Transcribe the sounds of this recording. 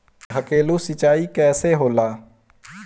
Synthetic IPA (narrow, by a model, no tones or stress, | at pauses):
ɦəkeːlusɪt͡ʃaːikɛːseɦoːlaː